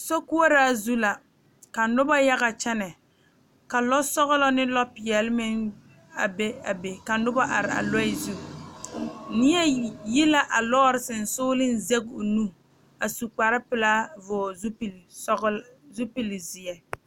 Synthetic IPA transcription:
so˦ku˦o˦ɾaː˦zu˦la˨ | ka˨nʊ˦ba˦ja˦ɣa˨t͡ʃɛ˦nɛ˨ | ka˨lɔ˦sɔ˦ɣɔ˦lɔ˦nɪ˦lɔ˦pɪ˨ɛ˨lɪ˦mɪ˦ŋ | a̰˨be˦a˨be˨ka˨˦nʊ˦ba˦ʔa˨ɾɪ˨a̰˨lɔ˦ɪ˦zu˦˨ | nɪ˦ɛ˦ji˦la˦ʔa˨lɔ˦ɾɪ˦sɪ˨n̩˨sʊː˦lɪ˦n˦ze˦ɡo˨nu˦ | a˨su˨k͡pa˨ɾɪ˦pɪ˨laː˦vʊ˨zu˦p | zu˦pi˨lɪ˨zɪ˨ɛ˨

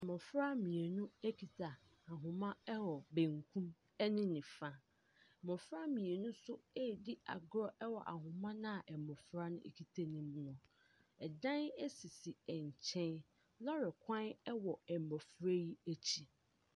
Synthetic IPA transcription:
ɛ˨mɔ̃˨fɾa˦mĩ˨e˨nũ˦æ˦kʰi˨tʰa˨ | a˨ɦʊ̃˨mã˦ɛ˦wɔ˨be˨ŋkʰũ˦m | ɛ˦nɪ̃˦nĩ˨fa˦˨ | mɔ̃˨fɾa˦mĩ˨e˨nũ˦sʊ˦e˦˨di˦a̰˨ɡɾɔ˦ʔɛ˦wɔ˨ʔa̰˨ɦʊ̃˨mã˦nã˦a˨ʔɛ˨mɔ̃˨fɾa˦nʊ̰̃˦ḛ˨kʰi˨tʰe˦nĩ˦mnʊ̃˨ | ɛ˨dã˦nɛ˦si˨si˨ɛ˨ɲ˨t͡ɕʰɛ̃˦n | lɔ˦ɾɪ˨kʷʰã˦nɛ˦wɔ˨ɛ˨m˨bɔ˨fɾa˦ji˦æ˦t͡ɕʰi˦

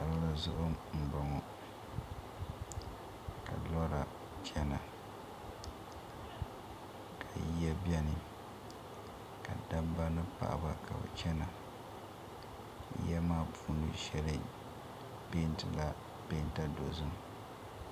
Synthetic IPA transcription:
a˨ɾɨ˦lɨ˨zʊ˦ʔʊ˦m̩˨bɔ˨ŋɔ˨ | ka̰˨lɔ˦ɾa˨ | t͡ʃɛ˦na˨ | kʰa˨ji˦ja˦bjɛ˦nɨ˨ | ka˨da˦mba˦nɨ˦pa̰˨ʔa̰˨ba˦kʰa̰˨bɨ̰˨t͡ʃɛ˦na˨˦ | jɛ˦maː˦pʰuː˦nɨ̰˦ʃɛ˦lɨ˦ | be˦n˦tɨ˨ba˦ | be˦n˦ta˦do˨zɨ˦m

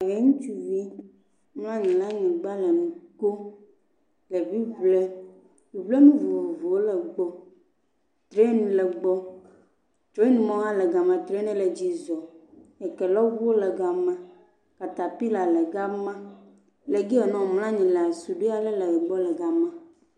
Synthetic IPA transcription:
a˨ɣɛ˨ŋũ˦t͡ʃu˦vi˦ | ml̃ã˦ɲĩ˨lã˦ɲĩ˨ɡ͡ba˦lɛ˨nũ˨ko˦ | lɛ˨vi˦vlɛ˦ | vi˨βle˦nũ˦vu˨wɔ˨vu˨wo˦lɛ˨ɡ͡bɔ˦ | t̪ɾe˦nũ˦lɛ˨ɡ͡bɔ˦ | t͡ʃɾɔ˦i˦nũ˦mɔ̃˦a˦lɛ˨ɡa˨mã˨t̪ɾe˦nɛ̃˦lɛ˨d͡ʑi˨zɔ˨ɛ˨kɛ˨lɔ˦vu˦wo˦lɛ˨ɡa˨mã˦ | ka˨t̪a˨pi˦la˨lɛ˨ɡa˦mã˦ | le˨ɡi˦ɛ˨nɔ̃˨ml̃ã˦ɲĩ˨lɛ˨a˨su˨ɖe˦a˦˨lɛ˦lɛ˨ɛ˨ɡ͡bɔ˦lɛ˨ɡa˨mã˦

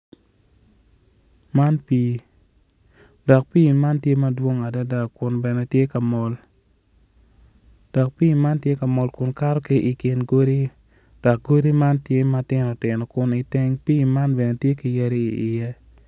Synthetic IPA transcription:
ma˦npiː˦ | dɔ˨k̚piː˦˨ma˦ntje˦mɐ˦dwo˦ŋa˨da˦da˨kʊ˨nbɛ˨nɛ˨tje˦ka˨mɔ˨l | d̥ɔ˨k̚pi˦˨ma˦ntje˦ka˨mɔ˨lkʊ˨nka˦ɾɔ˦ke˦ʔi˨kɪ˨nɡo˦ɾi˦ | d̥ɔ˨k̚ɡo˦ɾi˦ma˦ntje˦ma˦tɪ˦nɔ˨tɪ˨nɔ˨kʊ˨ni˨te˦ŋpiː˦ma˦nbɛ˨nɛ˨tje˦ki˨je˦ɾi˦i˨ɪ˨jɛ˦

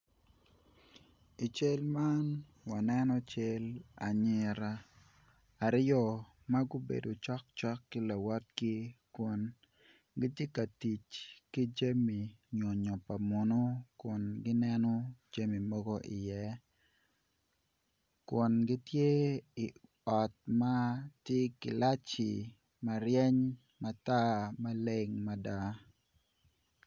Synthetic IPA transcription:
i˨t͡ʃe˦lma˦n | wa˨nɛ˦nɔ˦t͡ʃe˦la˨ɲɪ˨ɾaː˨ | ɾjɔ˦ | ma˦ɡʊ˦bḛ˨do˨t͡ʃɔ˦k̚t͡ʃɔ˦kːɪ˦la˨wa˦t̚ɡɪ˦kwo˨n | ɡi˦tje˦ka˨ti˨t͡ʃki˦d͡ʒa˦mi˨ɲo˨ɲɔ˨pa˨mʊ˨no˦kʊ˨nɡɪ˦nɛ˦nɔ˦d͡ʒa˦mi˨mɔ˦ɡo˦ʔɪ̰˨jɛ˦ | kʊ˨nɡi˦tje˦ɪ˨ | ɔ˨t̚ma˦tje˦kɪ˨la˦t͡ʃi˨ | mɐ˨ɾjɛ˦ɲ | ma˨ta˦mɐ˦le˦ŋmɐ˦da˦

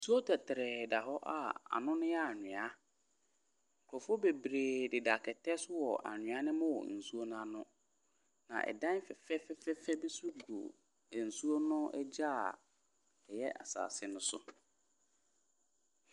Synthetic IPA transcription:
su˦o˦tʰɛ˨tʰɪ˨ɾɛ˨da˨ɦɔ˦ʔa˦˨a̰˨nʊ̃˦nɪ̃˦a˦a˨ɲɪ̃˨a˦ | ŋ̩˨kʰɔ˨fʊ˦o˦be˨bɾeː˨dɪ˨da˨kʰɛ˨tʰɛ˦sʊ˦wɔ˨ʔa̰˨ɲɪ̃˨˦a˦nɪ̃˦mʊ̃˦wɔ̰˨n̩˨su˦o˦nã˦nʊ̃˦ | nã̰˨ʔɛ̰˨dã˦n˦fɛ˨fɛ˦fɛ˦fɛ˦fɛ˦be˦su˦u˦ɡo̰˨ | ɛ˨n̩˨su˦o˦nʊ̃˦ʔɛ˦d͡ʑa˦˨ | ɛ˨jɛ˦ʔa̰˨sa̰ː˨sɪ˦nʊ̃˦sʊ̰˦

